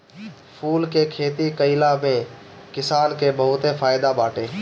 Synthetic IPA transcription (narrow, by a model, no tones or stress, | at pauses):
pʰuːlkekʰeːt̪ikəɪlamẽ | kɪsaːnkebəɦʊt̪efʰaːɪd̪abaːʈeː